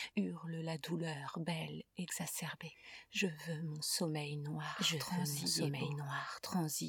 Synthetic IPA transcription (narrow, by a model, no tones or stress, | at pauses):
yʁləlad̪ulœʁbɛlɛɡz̥asɛʁbeʒəvømɔ̃sɔmɛjnwaʒəɑ̃ziɔmɛjnwaʁt̪χɑ̃zi